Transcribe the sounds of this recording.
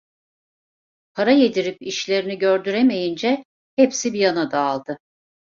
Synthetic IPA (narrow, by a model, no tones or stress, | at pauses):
pʰaɾajed̪iɾipiʃlʲe̞ɾiniɟø̞ɾd̪yɾeme̞jind͡ʒɛ | hepsibijanad̪aːlˠd̪̥ɯ